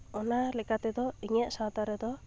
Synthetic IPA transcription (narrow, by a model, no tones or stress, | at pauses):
ɔnalɛkat̪ɛd̪ɔiŋɛʔsat̪aɾɛd̪ɔ